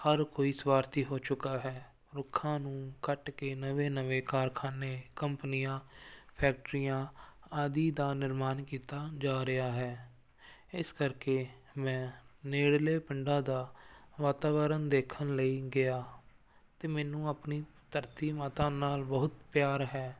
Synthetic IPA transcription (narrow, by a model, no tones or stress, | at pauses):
həɾkoːiːsʋaːɾt̪iːɦoːt͡ʃʊkaːɦɛː | ɾʊkʰːãːnũːkəʈkeːnəʋeːnəʋeːkaːɾkʰaːneːkəmpnɪjãːpʰɛːk̚ʈɾijãːaːd̪iːd̪aːnɪɾmaːnkiːt̪aːd͡ʒaːɾɪaːɦɛː | ɪskəɾkeː | mɛ̃ːneːɽleːpəɳɖãːd̪aːʋaːt̪aːʋəɾənd̪eːkʰənləiːɡɪaː | t̪eːmɛːnũːapniːt̪əɾt̪iːmaːt̪ãːnaːlbəɦʊt̪pjaːɾɦɛː